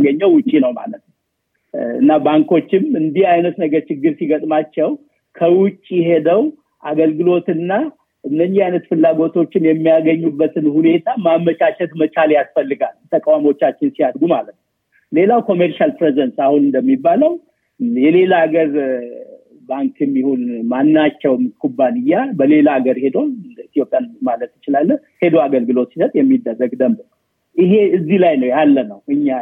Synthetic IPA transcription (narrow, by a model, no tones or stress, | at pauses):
ɡəɲːəwwʊt͡ʃʼːinəwma̰lət̪nə | ɨ̰nːabaŋko̞t͡ʃːɪmɨnd̪iajnət̪nəɡəɾt͡ʃɪɡːɨɾsiɡət̪ʼmat͡ʃːɛw | kʰəwʊt͡ʃʼːjɪɦe̞d̪əw | ʔaɡəlɡɨlo̞t̪ɨnːa | ʔɨnːəɲːɪajnət̪fɨlːaɡo̞t̪ʰo̞t͡ʃːɪnjɛmːijaɡəɲːubːət̪ʰɨnhune̞t̪ʰamaməʃaʃɛt̪mət͡ʃaljasfəlːɨɡalt̪ʰəkʼawamo̞t͡ʃːat͡ʃːɪnsijad̪ɡuma̰lət̪nəw | le̞lawkʰo̞meɾʃalpɾezɛnsahunɨnd̪əmːibːaləw | jɛle̞laːɡəɾ | baŋkʰɨmːihonmanːat͡ʃːɛwmkʰubːanɨjːabəle̞laːɡəɾhe̞d̪o̞nɨnd̪əit̪jo̞pʼjanmalət̪jɪt͡ʃɪlalːəh | he̞d̪oaɡəlɡɨlo̞t̪sisət̪ʼjɛmːid̪ːərːəɡd̪əmbɨ | ʔɨɦe̞ɨzːilajnəwjalːənəwʔɨɲːa